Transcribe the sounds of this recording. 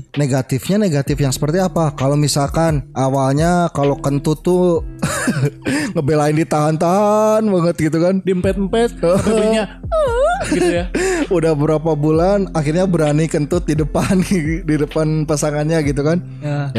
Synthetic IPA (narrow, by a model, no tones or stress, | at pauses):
neɡat̪ɪfɲaneɡat̪ɪfjaŋsə̥pərt̪iapakalomisalkanawalɲakalokənt̪ut̪ːu | ŋəbelaɪndit̪aɦant̪aɦanbəŋət̪̚ɡit̪̬ukandimpɛt̪̚mpɛt̪̚əɲa | ujaudahbəɾapabulanaxɪrɲabəɾanikənt̪ʊt̪̚didəpandidəpanpasaŋanɲaɡit̪̬ukan | jaj